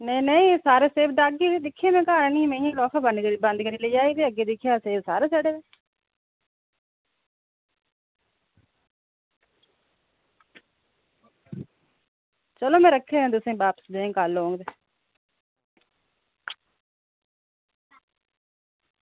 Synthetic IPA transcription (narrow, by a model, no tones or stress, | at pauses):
nenəĩːsaːɾeːseːbd̪aːɡeːd̪ɪkʰːjaːmɛ̃ːkaːɾnĩːmẽːjãːlɔːkʰaːbənkəɾibə̃nd̪kəɾiːleːd͡ʒaːid̪eːəɡeːd̪ɪkʰjaːseːbsaːɾeːsɛːɽeːdeː | t͡ʃəlõːmɛ̃ːɾəkʰːeːẽːd̪ʊsẽːbaːpə̥sd̪ẽːŋkaːloːŋɡd̪eː